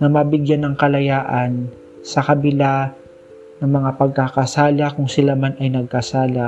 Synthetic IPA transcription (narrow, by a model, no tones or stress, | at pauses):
nɐmɐbɪɡjanːɐŋkɐlɐjaːʔɐn | sɐkɐbɪla | nɐŋmɐŋapɐɡ̚kakɐsaːlakʊŋsɪlamanɐjnɐɡ̚kɐsaːla